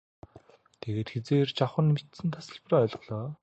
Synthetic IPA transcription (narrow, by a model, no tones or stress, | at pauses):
t̪ʰeɣeːt̪xet͡seːrt͡ɕaχə̆nmet̪sɘ̆nt̪ʰasə̆ɮpraːœɮɞ̆ɮɔː